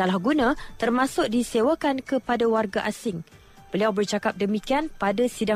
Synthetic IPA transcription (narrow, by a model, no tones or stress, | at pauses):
alahɡunãt̪ərmãsʊk̚disewakankəpadawarɡaʔasɪŋ | b̥əliawbərt͡ʃakap̚dəmikianpadasida